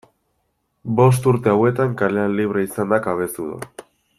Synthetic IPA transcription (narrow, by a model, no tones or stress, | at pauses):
bo̞s̬t̪uɾt̪e̞awe̞t̪aŋkalealːiβ̞ɾe̞isand̪akaβ̞e̞st̪uða̰